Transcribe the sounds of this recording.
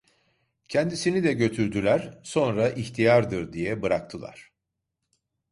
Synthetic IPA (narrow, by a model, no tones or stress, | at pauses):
cʰɛnd̪isinid̪ɛɟø̞t̪ʰyɾd̪ylʲæɾ̥so̞nɾaʔiçt̪ʰijaɾd̪ɯɾd̪ijɛbɯɾak̚t̪ʰɯlˠa̰ɾ̥